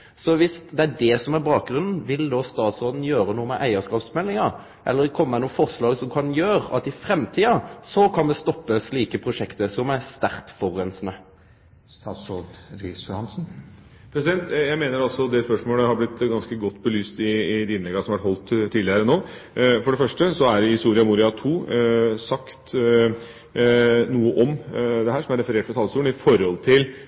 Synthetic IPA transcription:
sɔʋɪsd̪ɛæɖɛsɔmæɾbɑːk̚ɡɾʉnn̩ʋɪld̪oːst̪ɑːt̪sɔd̪n̩jøːɾənuːəmɛʔæɪəskɑːpsmɛlːɪŋɑɾ | ʔɛ̰lːəɾkʰɔmːəɛnufɔʁslɑːɡsɔmkʰɑnjøːɾɑ̰t̪ɪfɾɛmt̪ʰiːɑsɔkʰɑnmɛst̪ɔpːəsliːkəpʰɾʊʂɛkt̪əsɔmæɾst̪æɾkt̪fɔʁːɛnsnə | st̪ɑsɔd̪ɾisjʊhɑnsn̩ | pʰɾɛsɪd̪ɛnt̪jæɪmeːnəɾɑlsɔd̪ɛspœʂmoːləhɑɾblɪt̪ːɡɑnskəɡɔt̪ːbəlyːst̪ɪd̪ɪɪnlɛɡːɑsɔmɑʋæʈhɔlt̪t̪ʰːiːd̪ɪəɾənoː | fɔɖɛfœʂʈəsɔæɾɪhɪst̪uːɾɪɑmuɾɪɑt̪ʰuːsɑkt̪ | nuːəʔɔmd̪ɛɦæːɾʂɔmæɾɛfəɾeːʈfɾɑt̪ʰɑlːəst̪uːn̩ɪfɔɾhɔlt̪ʰɪl

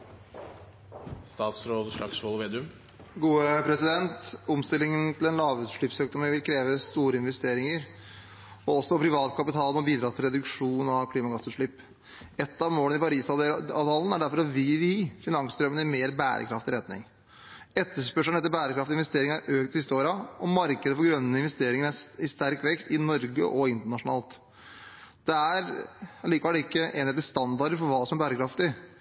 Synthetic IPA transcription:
st̪ɑːt̪sɾoːd̪ʂɭɑ̰ksɔːlʋeːd̪ʉm | ɡuːəpʰɾɛsɪd̪ɛnt̪ʊmst̪ɪlːɪŋənt̪ʰɪlɛnlɑːʋʉːt̪ʂɭɪpsøːk̚d̪ɔməʋɪlkʰɾeːʋəst̪uːɾəɪnʋɛst̪eːɾɪŋəɾ | ɔɔsːɔpʰɾɪʋɑːt̪kʰɑpɪt̪ʰɑːlmɔbiːd̪ɾɑːt̪ʰɪlɾɛd̪ʉkʂuːnɑʋkʰliːmɑɡɑsʉːt̪ʂɭɪpː | ɛt̪ːɑʋmoːlnɪpɑɾiːsɑɑt̪ɑln̩æɖæɾfɔɾɔʋiʋiːfɪnɑŋsd̪ɾœmənɪmeːɾbæ̰ːɾʔə̰kʰɾɑft̪ɪɾɛt̪nɪ̰ŋ | ɛt̪ʰːəʂpœʂən̩ɛt̪ːəbæːɾəkɾɑft̪ɪnʋɛst̪eːɾɪŋəæɾʔøːkt̪ɪsɪst̪əoːɾɑɔmɑɾkəd̪əfɔɾɡɾœnːəɪnʋɛst̪eːɾɪŋəɾæɪst̪æɾkʋɛkst̪ɪnɔɾɡə̰ʔɔɪnt̪əɳɑʂʊnɑ̰ːlt̪ | d̪̥ɛæɾɑliːkəʋɛləɪkːəʔeːnheːt̪əst̪ɑnd̪ɑɾɖəɾfɔɾʋɑːsɔmæɾbæːɾəkʰɾɑft̪ɪ

